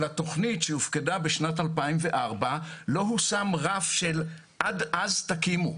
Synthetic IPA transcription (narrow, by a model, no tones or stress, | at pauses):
lato̞χnitʃeufkedabeʃnatalpaimveʔaʁbalo̞ɦusamʁafʃel | ʔadʔazt̪akimu